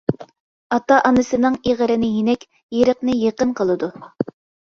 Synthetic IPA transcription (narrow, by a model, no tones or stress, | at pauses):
ɑt̪ɑʔɑnɨsɨnɨŋeʁəɾɪnɪjinɛkʲ | jeɾəqnɨjeqənqəlˠɨd̪u